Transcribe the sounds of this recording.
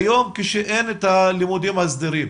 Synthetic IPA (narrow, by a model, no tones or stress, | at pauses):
jo̞mkeʃeʔenet̪halimud̪imhazd̪iɾim